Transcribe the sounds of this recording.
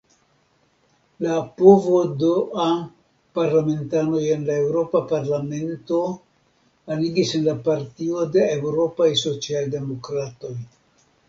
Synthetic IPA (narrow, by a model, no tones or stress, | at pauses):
lapovo̞doan | paɾlame̞ntano̞je̞nlae̞wɾo̞papaɾlame̞nto̞ | aliɡisenlapaɾtio̞de̞ewɾo̞pajso̞t͡sialde̞mo̞kɾato̞j